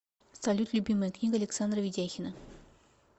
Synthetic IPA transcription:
st̪alʲut̪lʲʊbʲiməjəknʲiɡəɐlʲɪksand̪rəvʲɪdʲæxʲɪnə

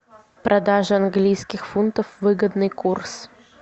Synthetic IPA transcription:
pɾʔɐd̪aʐɨɐnɡlʲijskʲɪxfunt̪əfvɨɡəd̪nɨjkurs

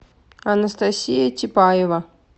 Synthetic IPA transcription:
ɐnɐst̪asʲijɐtʲɪpajɛvɐ

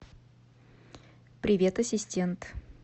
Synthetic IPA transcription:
pɾʲɪvʲet̪əsʲɪsʲtʲe̞nt̪

